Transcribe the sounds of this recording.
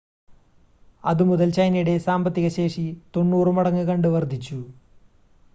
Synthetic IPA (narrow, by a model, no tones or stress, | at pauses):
ɐðɨmuðɐlt͡ɕɐjnɐjuɽe̞saːmbɐt̪ːiɣɐɕe̞ːʂit̪o̞nːuːrɨmɐɽɐŋːɨkɐɳɖɨʋɐrd̪ʱit͡ɕːu